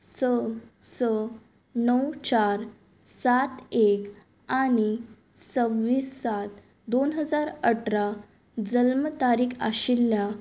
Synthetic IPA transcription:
səsə | nəwt͡ɕaɾ | sat̪ek | añi | səʋːiːsːat̪̚ | d̪onɦəd͡zaɾəʈʰɾa | d͡zəlmət̪aɾiːkʰa̰ɕilːja

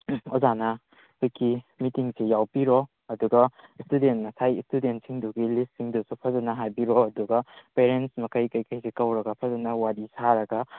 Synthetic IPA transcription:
ozanɐ | kujkʰimitiŋsejawpiɾo | ɐduɡɐstudentmɐsajistudent̚siŋduɡilist̚siŋdusupʰɐzɐnɐɦajbiɾoɐduɡɐpeɾensmɐkʰɐjkɐjkɐjsekɐwɾɐɡɐpʰɐzɐnɐwadisaɾɐɡɐ

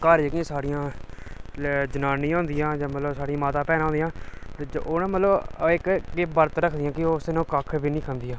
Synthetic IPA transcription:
kəɾd͡ʒeɡiãːsaːɽijãː | d͡ʒənaːnĩːɦʊ̃nd̪ɪjãːd͡ʒaːmət̪ləbsaːɽiãːmaːt̪ãːpɛːnãɦõnd̪ijãːd͡ʒonãːmət̪ləbɪkɡeːbəɾt̪ɾəkʰd̪ɪjãːkɪoːsenõːkəkʰbiːnĩːkʰənd̪ijãː

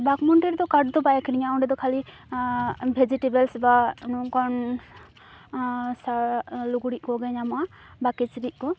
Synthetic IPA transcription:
bakmɔɳʈiɾd̪ɔkaʈ̚d̪ɔbajakʰiɾiɲaɔɳɖɛd̪ɔkʰali | bʱed͡ʒiʈebɛlsbankɔn | saluɡuɽiʔ̚kɔɡɛɲama | bakit͡ʃɾiʔ̚kɔ

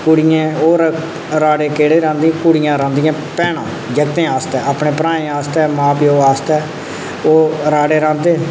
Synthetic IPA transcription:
kʊɽɪjẽːoːɾ | ɾaːɖeːkeːɽeːɾãːnd̪ĩːkʊɽɪjãːɾãːnd̪ijãːpɛːɳãː | d͡ʒəkt̪ẽːaːst̪ɛːaːpɳẽːpɾãːẽːaːst̪ɛːmãːpioːaːst̪ɛː | oːɾaːɽeːɾãːnd̪eː

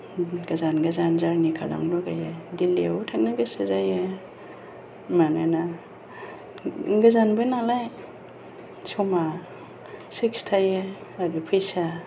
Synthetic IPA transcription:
ɡazanɡazanzaɾnikʰala̰ŋlɔɡajediliawutʰak̚naɡasazaje | manana | ɡazanbanalaj | sɔma | sikstʰajeadupʰijsa

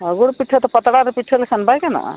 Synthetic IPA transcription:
əɡoɽpiʈʰːət̪ɔpət̪ɽaɾepiʈʰəlekʰənbʱajkena̰

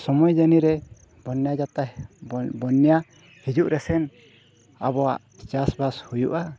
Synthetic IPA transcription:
sɔmɔjd͡ʒaniɾɛ | bɔnjad͡ʒat̪a | bɔnːja | hid͡ʒuʔɾɛsɛn | a̰bɔwaʔ | t͡ʃasbashujṵʔa

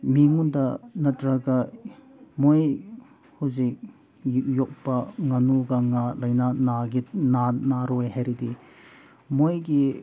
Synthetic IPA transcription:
miŋundɐnɐtɾɐɡɐ | moj | huzik̚ | jok̚pɐŋɐnuɡɐŋalɐjnanaɡinanaɾojhajɾidi | mojɡi

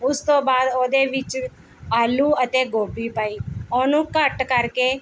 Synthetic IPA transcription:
ʊst̪õːbaːd̪oːd̪eːʋɪt͡ʃ | aːluːət̪eːɡoːbiːpaːiːoːnũːkəʈkəɾkeː

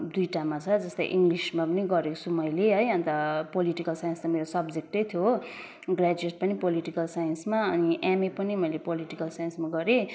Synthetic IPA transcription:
d̪ujʈamat͡sʰʌd͡zʌst̪ʌ̰jʔiŋɡlismapʌniɡʌɾekt͡sʰumʌjleɦʌjʌnt̪ʌpoliʈikʌlsajənst̪ameɾosʌbd͡zek̚ʈʌjt̪ʰjo | ɡrad͡zuweʈ̚pʌnipoliʈikʌlsajʌnsmaʌniʔamepʌnimʌjlepoliʈikʌlsajʌnsmaɡʌɾe

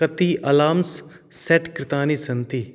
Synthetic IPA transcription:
ɐt̪iːʔɐlaːms | sɛʈkɾɪt̪aːnisɐnt̪iː

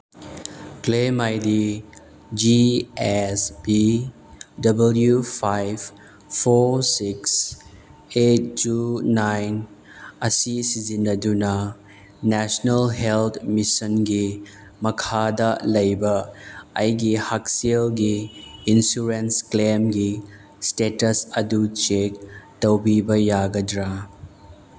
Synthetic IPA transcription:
klemajdi | d͡ʒiesbi | dɐbɐljupʰajb | pʰosiks | et̚ːunajn | ɐsisizinːɐdunɐ | nɛsnɐlɦelt̪ʰmisɐnɡi | mɐkʰadɐlɐjbɐɐjɡihaksielɡiːnsuɾensklemɡi | stetɐsɐdut͡ʃek̚tɐwbibɐjaɡɐdɾa

